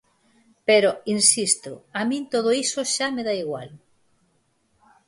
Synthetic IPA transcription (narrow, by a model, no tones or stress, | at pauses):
peɾoinsist̪ʊamĩnt̪oð̞oisʊʃameðaiɣwa̰l